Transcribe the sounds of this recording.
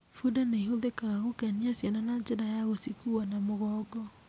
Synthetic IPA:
fudaneiɦoðekaɣaɣokɛniasjananad͡ʒedajaɣosikuanamoɣɔːɡɔ

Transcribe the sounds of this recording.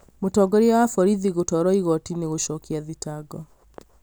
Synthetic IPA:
motɔɡɔɾiawafɔɾiðiɣotɔɾɔiɣɔtineɣoʃɔːkiaðitaɡɔ

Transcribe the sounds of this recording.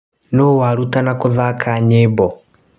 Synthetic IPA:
nowaɾutanakoðakʰaɲebɔ

